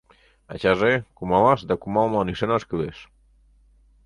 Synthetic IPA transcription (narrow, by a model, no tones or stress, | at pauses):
a̰t͡ʃazekumalazd̪əkumalˠmanisenaskiðes